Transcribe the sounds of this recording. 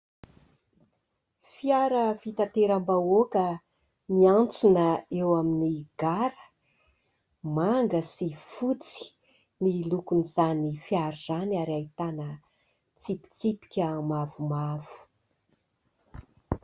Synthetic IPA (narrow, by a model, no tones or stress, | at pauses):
fiaɾəvit̪at̪eɾambaokə | miant͡sunəewaminiɡ̥aɾə̥ | maŋɡəsifut͡si̥ | nilukunizanifiaɾuzanaɾait̪anə | t͡sipi̥t͡sipi̥kʲəmavumavu̥